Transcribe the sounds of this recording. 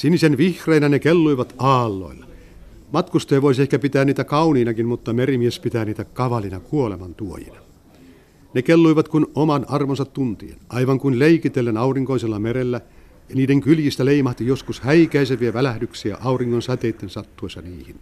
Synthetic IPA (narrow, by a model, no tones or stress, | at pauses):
sinisenʋihreːnænekelːuiʋɑt̪ɑːlːo̰ilːɑ | mɑt̪kust̪ojʋois̬iehkæpit̪æːnniːt̪ækɑuniːnɑkinmut̪ːɑmerimiespit̪æːniːt̪ækɑʋɑlinɑkuolemɑnt̪uo̰jḭnɑ | nekelːuiʋɑt̪kunomɑnɑrʋonsɑt̪tunt̪ḭḛnʔɑiʋɑŋkunleikit̪elːenɑuriŋkoiselːɑmeɾelːæ | jɑniːdeŋkyljist̪æleimɑht̪ijoskushæikæiseʋiæʋælæhdyksiæ̰ʔɑuriŋkonsɑt̪eit̪ːensɑt̪ːuoˑisɑniːhin